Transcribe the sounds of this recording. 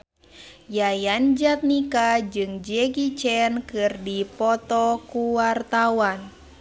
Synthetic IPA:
jajand͡ʒat̪̚nikad͡ʒɨŋd͡ʒɛɡit͡ʃɛnkɨrdipɔt̪ɔkuwart̪awan

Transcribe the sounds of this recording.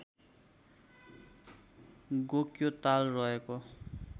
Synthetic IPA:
ɡokjot̪alrʌɦeko

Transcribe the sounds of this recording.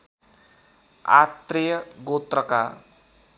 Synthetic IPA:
a̰t̪ɾijʌɡot̪ɾʌka

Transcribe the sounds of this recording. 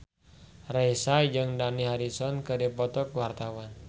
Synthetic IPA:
raisad͡ʒəŋdaniɦaɾisɔnkədipɔt̪ɔkwart̪awan

